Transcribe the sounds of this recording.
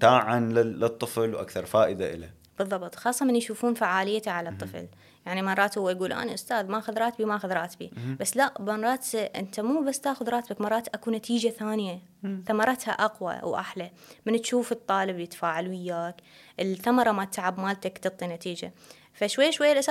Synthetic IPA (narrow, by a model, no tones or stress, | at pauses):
t̪aːʕanlɪɪt̪ˤːɨflwʔa̰kθɑɾˤfaːʔɪd̪a̰ʔɪ̰la̰ | b̥ɨðˤːɑbt̪ˤxɑːsˤːɑmɪnjʃuːfuːnfaʕaːlɪjːat̪aʕalat̪ˤːɨfl | jaʕnimɑrˤːɑːt̪hʊwːajɡuːlʔa̰niʔʊst̪aːðmaʔaxʊðɾˤɑːt̪bimaʔaxʊðɾˤɑːt̪bḭbasːlaʔbɑɾˤɑːt̪ʔɪ̰nt̪amuːbasːt̪aːxʊðɾˤɑːt̪bakmɑrˤːɑːt̪ʔakunat̪iːd͡ʒaθaːnja | θamɑɾˤɑt̪ha̰ʔɑqwa̰wʔa̰ħla | mɪnt̪ʃuːfɨt̪ˤːɑːlɪbjɪt̪ḁfaːʕalwɪjːaːk | ʔɪlθamɑɾˤɑmat̪ʕabmaːlt̪akt̪ɨt̪ˤːinat̪iːd͡ʒa̰ | faʃwajːaʃwajːalʔas